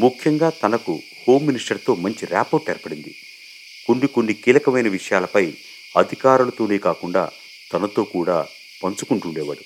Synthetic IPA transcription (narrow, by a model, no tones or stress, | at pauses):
mukʰjɐŋɡaːt̪ɐnɐkṵ | ho̞ːmːinisʈɐɾt̪o̞ːmɐɲt͡ʃiɾa̰ːpoːɾʈɛɾɐpɐɽind̪ḭ | koɳɖikoɳɖikiːlɐkɐmɐjnɐʋiʂɐjaːlɐpɐj | ɐd̪ʱikaːɾulɐt̪o̞ːne̞ːkaːkuɳɖa̰ː | t̪ɐnɐt̪o̞ːkuːɽa̰ː | pɐnt͡ʃukuɳʈuɳɖɛːʋɐ̰ːɽu